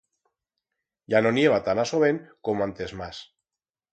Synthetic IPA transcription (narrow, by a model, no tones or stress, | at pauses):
janonje̞β̞at̪anasoβeŋkomoant̪e̞zmas